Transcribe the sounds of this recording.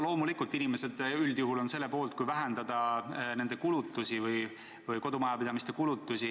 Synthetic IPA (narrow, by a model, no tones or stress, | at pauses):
lo̞ːmulikːˑult̪ːinime̞se̞d̪yld̪̥juɦulo̞nse̞lːe̞po̞ːlt̪̚kujvæɦend̪̥ɑd̪̥ɑne̞nd̪̥e̞kulut̪ːˑusʲivɯj | vɯjko̞d̪umɑjɑpid̪̥ɑmist̪e̞kulut̪ːˑusʲi